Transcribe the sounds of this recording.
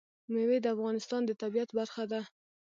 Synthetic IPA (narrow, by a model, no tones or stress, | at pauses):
mewed̪əafɣɑnɪst̪ɑnd̪ət̪abijat̪baɾxad̪a